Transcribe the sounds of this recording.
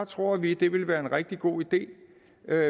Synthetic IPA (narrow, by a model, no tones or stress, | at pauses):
t͡sʰʁo̝ɐ̰ʋid̥e̝ʋe̝lʋæːɐe̝nʁɛɡ̥̚d̥iɡ̥o̝̰ːid̥e̝̰ː | ø